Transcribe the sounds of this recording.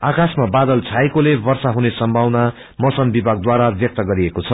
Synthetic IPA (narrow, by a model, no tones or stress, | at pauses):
akasmabad̪ʌlt͡sʰaekolebʌrsaɦunesʌmbʱawna | mʌsʌnbibʱaɡ̚d̪waɾabjʌk̚t̪ʌɡʌɾiekot͡sʰʌ